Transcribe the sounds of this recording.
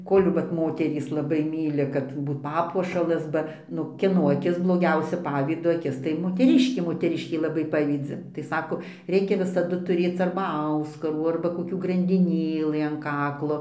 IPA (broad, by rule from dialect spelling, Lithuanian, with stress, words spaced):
ˈkoːlʲ ʋɐt ˈmoːtʲɛrʲiːs lˠɐˈbɐɪ ˈmʲiːlʲɪ kɐt ˈbuːt ˈpɑːpuɔʃɐlˠɐs ˈbɐ ˈnʊ kʲiɛˈnoː ɐˈkʲɪs blˠoːˈɡʲɛʊsʲɛ ˈpɑːʋʲiːdoː ɐˈkʲɪs tɐɪ moːtʲɛˈrʲɪʃʲkʲeː moːtʲɛˈrʲɪʃʲkʲeː lˠɐˈbɐɪ ˈpɑːʋʲiːd͡zʲɪ tɐɪ ˈsɑːkoː ˈrʲɛɪkʲɛ ʋʲɪsɐˈdʊ tʊˈrʲeːt͡s ɐrbɐ ˈɐʊskɐruː ɐrbɐ koːˈkʲuː ɡrɐnʲdʲɪˈnʲeːlˠɨ ɐn ˈkɑːklˠoː